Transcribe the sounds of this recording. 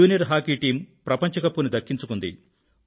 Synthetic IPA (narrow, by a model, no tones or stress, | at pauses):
uːnijɐɾɦaːkiːʈiːmpɾɐpɐɲt͡ʃɐkɐpːunud̪ɐkːiɲt͡ʃukund̪ḭ